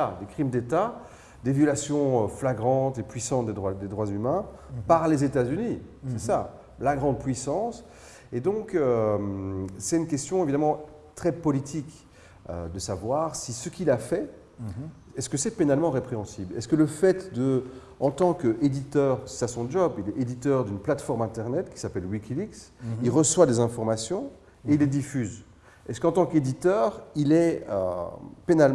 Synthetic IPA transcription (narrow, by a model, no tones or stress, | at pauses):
ad̪ekχimd̪et̪a | d̪evjɔlasjɔ̃øflaɡʁɑ̃t̪epɥisɑ̃t̪̚d̪ed̪ʁad̪ed̪ʁwazymɛ̃paʁlezet̪azynisɛsa | laɡʁɑ̃d̪̚pɥisɑ̃s | ed̪ɔ̃kømsɛt̪ynkʲɛst̪jɔ̃evid̪amɑ̃ | t̪χɛpɔlit̪ʰik | ø̰d̪əsavwaʁsisəkʲilafɛ | ɛskəsɛpenalmɑ̃ʁepχeɑ̃siblɛ̰skələfɛt̪d̪ə | ɑ̃t̪ɑ̃ked̪it̪œːʁi̥sasɔ̃ʒɔbilɛed̪it̪œʁd̪ynplat̪fɔʁmɛ̃t̪ɛʁnɛt̪kʲi̥sapɛlwikʲiliksilʁəswad̪ezɛ̃fɔʁmasjɔ̃ | eilːed̪ifyz | ɛskɑ̃t̪ɑ̃ked̪it̪œːʁilɛø̰penal